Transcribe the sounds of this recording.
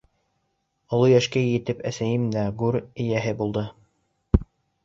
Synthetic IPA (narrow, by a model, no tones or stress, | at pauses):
ŏlˠojæʃkæjɘ̆t̪ɘpæsæjɘmd̪æɡʉɾɘ̆jæɦɘbulˠd̪ɤ